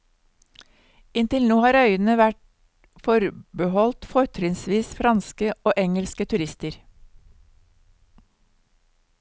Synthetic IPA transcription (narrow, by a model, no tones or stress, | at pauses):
ɪnt̪ɪlnoːhɑːɾœʏənəʋæʈ | fɔɾbəhɔlt̪fɔɾt̪ʰɾɪŋsʋiːsfɾɑnskəoːʔɛŋəlskət̪ʰʉɾɪst̪əɾ